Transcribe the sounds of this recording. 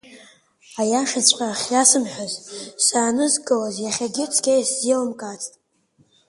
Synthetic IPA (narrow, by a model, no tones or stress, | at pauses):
ajaʂat͡sʷʼaχʲjasɨmħʷᶣazsaːnɨzɡʼɨwazjaχʲaɡʲɪt͡sʰkʲejszilɨmkʼat͡sʰʼtʼ